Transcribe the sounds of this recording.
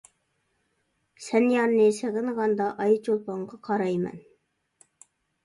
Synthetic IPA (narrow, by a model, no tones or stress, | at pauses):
sænjɑɾnesæɣɘnʁɑnd̪ɑʔɑjt͡ʃolˠpɑɴɢɑqʰɑɾɑjmæ̰n